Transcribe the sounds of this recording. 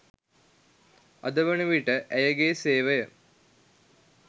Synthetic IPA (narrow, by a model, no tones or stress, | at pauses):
ɐd̪ɐʋɐɳuʋiʈːəʔɐjɐɡeːseːʋɐjɐ